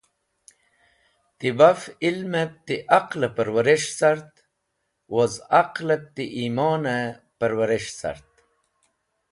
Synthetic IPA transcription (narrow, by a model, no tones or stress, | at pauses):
t̪ibafilmep̚t̪iʔaqlepəɾwɐɾeʂsaɾt̪ | wozaqlep̚t̪iʔiːmɑːne | pəɾwaɾeʂsa̰ɾt̪